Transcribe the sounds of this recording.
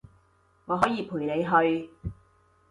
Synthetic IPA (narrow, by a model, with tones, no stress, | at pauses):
ŋɔː˨˧ɦɔː˨˥jiː˨˧pʰuː˨˩jne˨˧jɦɵ˧ɥ